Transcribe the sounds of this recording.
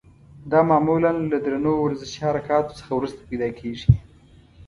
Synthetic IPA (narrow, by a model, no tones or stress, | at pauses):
d̪ɑmɑːmulanlad̪ɾanowɾazəʃihaɾakɑt̪o̥sə̥xawɾust̪ḁpajd̪ɑkʰeʐi